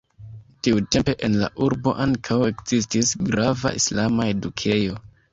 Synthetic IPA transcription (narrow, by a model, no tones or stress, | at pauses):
tiute̞mpe̞ʔenla̰ʔuɾbo̞̰ʔaŋkʰawe̞kz̥istisɡɾava̰ʔḭslamae̞dukʰe̞jo̞